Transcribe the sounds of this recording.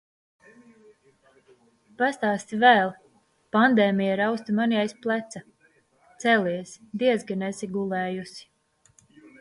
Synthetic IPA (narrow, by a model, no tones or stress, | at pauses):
past̪aːst̪ivæːlˠ | pand̪ɛːmijaɾawst̪imanijajsplˠæt̪sa | t̪sɛlʲiɛsd̪iɛzɡanɛsiɡulˠɛːjusi̥